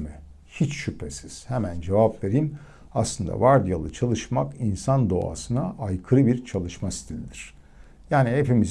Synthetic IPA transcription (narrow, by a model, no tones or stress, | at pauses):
mi | hit͡ʃʃypʰesiz̥he̞mænd͡ʒe̞vapve̞ɾim | aslˠɯnd̪a̰vaɾd̪ijalˠɯt͡ʃʰalˠɯʃmakinsand̪o̞̰a̰sɯnaʔajkʰɯɾɯbiɾt͡ʃʰalˠɯʃmasi̥t̪ʰilʲid̪iɾ̥ | jaːnihe̞pimiz